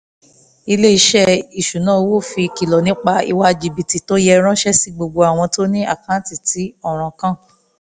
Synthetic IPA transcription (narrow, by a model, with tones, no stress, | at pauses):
i˧le˦i˧˦ʃɛ˦i˨ʃu˨nãː˦˧wo˦˨fi˧ki˨lɔ˨nĩ˨˦k͡pa˧ḭ˧wa˧d͡ʒi˨bi˨ti˨to˦jɛ˧ɾ̃ã˦ʃɛ˦si˦ɡ͡bo˧ɡ͡bo˧a˨w̃ɔ̃˧to˦nĩ˦a̰˦˨kã˨˦ti˨ti˨˦ɔ˦˨ɾ̃ã˨˧kã˦˨